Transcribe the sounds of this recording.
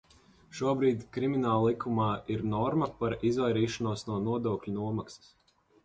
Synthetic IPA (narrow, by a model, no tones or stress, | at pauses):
ʃuɔbɾiːd̪ʲkɾimʲinaːlˠlˠikʰumaːiɾnɔɾmɐpaɾizvajɾiːʃanuɔsnuɔnuɔd̪uɔklʲunuɔmaksɐ̥s